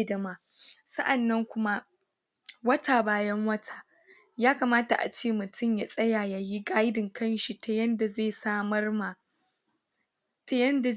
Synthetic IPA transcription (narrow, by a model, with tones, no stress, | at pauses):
dɐ˨maː˨ | sɐ˦ʔa˨nːɐ˦ŋkʷʊ˦ma˦ | wɐ˦tʰaː˨baː˦jɐ˦ŋwɐ˦tʰḁː˨ | jaː˦kaː˨maː˦ta˨ʔa̰˨t͡ʃeː˦˨mʊ˨tʰʊ˦˨mja˨sʼɐ˦jaː˨ja˨ji˦ɡa˦jdɪ˨ŋkɐ˦nʃi˨tʰa˦jɐ˦nda˨zeː˦˨saː˦mɐ˦rma˨ | ta˦jɐ˦nda˨